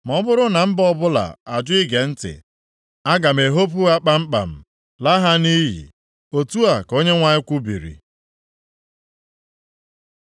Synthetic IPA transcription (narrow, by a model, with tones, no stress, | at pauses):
m˨ɔ˦bʊ˦ɾʊ˦na˨m̩˦bɔ˦bʊ˦la̰˨a˨d͡ʒʊ˦i˦ɡe˨n̩˦tɪ̰˨ | a˦ɡa˨m̩˨e˨ɦo˦p̬u˦a˦k͡pa˦m̩˦k͡pa̰˨m̩˨ | la˦ɦa˦ni˦ɦḭ˨ | o˨tu˦a˨ko˦ɲe˦ŋʷa˦ɲɪ˦kʷu˦bḭ˨ɾḭ˨